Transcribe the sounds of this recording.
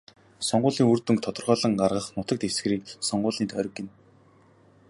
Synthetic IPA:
sɔɴɢʊːɮiːŋurt̪ɵ̆ŋk̚t̪ʰɔt̪ɞ̆rʁœːɮə̆ŋɢarʁə̆χnʊt̪ə̆kt̪ewsɡ̆ɾiːk̚sɔɴɢʊːɮniːt̪œɾ̆ʲkːɪ̆n

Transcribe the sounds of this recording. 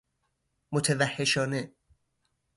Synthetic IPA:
mot̪ʰevæhːeʃɒːne

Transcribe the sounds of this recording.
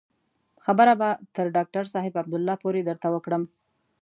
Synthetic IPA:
xabəɾabat̪əɾɖɑk̚ʈaɾsɑɦɪbab̚d̪ʊlːɑpoɾed̪əɾt̪awəkɽəm

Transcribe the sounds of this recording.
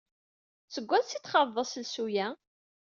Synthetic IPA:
səɡʷːæðsit̪χɑðˤːəsəlsujæ

